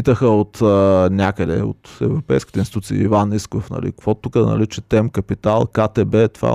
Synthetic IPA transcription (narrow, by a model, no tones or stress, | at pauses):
it̪əxəot̪ənʲakəd̪ɛ̰o̰t̪ɛ̰vɾopɛjskʲi̥t̪ɛinsit̪ut̪siḭːvaniskofnɐ̰lḭkkvɔt̪ukəd̪ɐ̰nɐ̰ɾit͡ʃɛt̪ɛmkɐpit̪alˠkat̪ɛbɛt̪va̰